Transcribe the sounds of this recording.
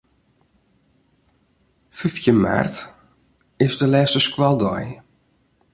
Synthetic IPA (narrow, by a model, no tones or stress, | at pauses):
fyfjəma̰rt | ɪzdəlɛːsəskwalˠdɔ̰j